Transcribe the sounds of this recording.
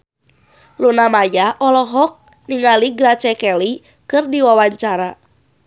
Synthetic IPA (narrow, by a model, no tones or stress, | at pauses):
lunamajaʔɔlɔɦɔk̚ | niŋaliɡɾat͡ʃɛkɛli | kɨrdiwawaɲt͡ʃaɾa